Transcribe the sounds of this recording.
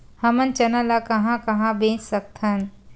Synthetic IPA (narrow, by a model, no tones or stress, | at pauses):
hɐmənt͡ʃɐnəlakɐɦãkɐɦãbẽːt͡ʃsɐk̚t̪ʰɐn